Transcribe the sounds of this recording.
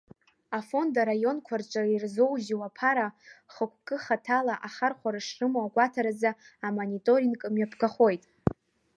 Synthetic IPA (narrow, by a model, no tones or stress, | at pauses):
afo̞ndaɾajo̞nkʷʰart͡ʃʷʼairzo̞wʒiwapʰaɾaχəkʷʰʼkʼɨχatʰalaʔaχarχʷaɾaʂrɨmaaɡʷatʰaɾad͡zaː | monitʼo̞ɾiŋkʼɨmjapʰɡaχo̞jtʼ